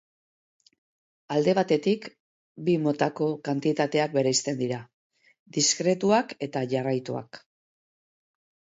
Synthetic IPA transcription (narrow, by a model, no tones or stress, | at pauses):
ald̪e̞β̞at̪e̞t̪ik | bimo̞t̪ako̞kant̪it̪at̪e̞ak̚be̞ɾejst̪e̞nd̪iɾa | d̪iskɾe̞t̪uake̞t̪aʝarajt̪ua̰k